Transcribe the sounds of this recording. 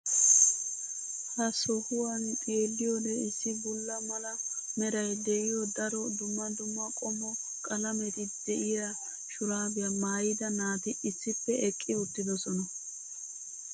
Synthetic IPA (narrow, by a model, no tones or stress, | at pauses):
hɐsɔhʊwɐnkʼe̞ːlːɪjɔd̪ɛɪsːɪbʊlːɐmɐlɐmɛɾɐjd̪ɛʔɪjɔd̪ɐɾɔd̪ʊmːɐd̪ʊmːɐkʼɔmɔ | kʼɐlɐmɛt̪ɪd̪̥ɛʔɪjɐ | ʃʊɾaːbɪjamaːjɪd̪ɐnaːt̪ɪɪsːɪpːɛɛkʼːɪʊt̪ːɪd̪ɔsɔnɐ